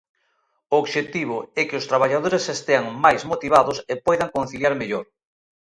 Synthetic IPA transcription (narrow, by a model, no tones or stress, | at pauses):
ooβʃet̪iβ̞ʊɛkɪʊst̪ɾaβ̞aʎað̞oɾesest̪eaŋmajzmot̪iβ̞aðʊsepojðaŋkon̟θiljaɾmeʎoɾ